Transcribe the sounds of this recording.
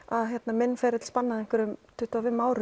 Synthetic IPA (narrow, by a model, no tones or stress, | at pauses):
aðçjɛt̪namɪnːfɛːɾɪt̪lspanːaðɛŋ̥kʏɾʏmt̪ʰʏht̪avɪmaːwɾʏ